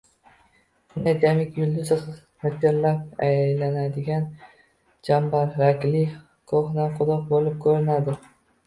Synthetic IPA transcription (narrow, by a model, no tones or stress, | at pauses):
nad̪ʲamɪkʲjʊld̪ʊzχz | mʊt̪ʰɪɾlap̚ajlanad̪ɪɡʲan | d͡ʒambaɾɾakʲlɪ | kʰoχnanqʰʊɾɒq̚bolɪp̚kʰɵɾɪnad̪ɪ